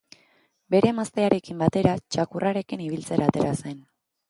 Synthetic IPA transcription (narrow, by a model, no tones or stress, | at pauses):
be̞ɾe̞mast̪e̞aɾe̞kimbat̪e̞ɾat͡ʃakuraɾe̞kiniβ̞ilt͡se̞ɾaːt̪e̞ɾase̞n